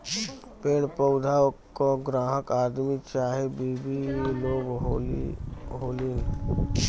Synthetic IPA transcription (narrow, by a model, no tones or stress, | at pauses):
peːɽpəʊd̪ʱakoɡɾãːɦəkaːd̪mit͡ʃaːɦebiːbiloːɡ | ɦoːliːn